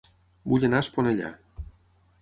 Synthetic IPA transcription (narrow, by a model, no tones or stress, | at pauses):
buʎʲenasponeʎa̰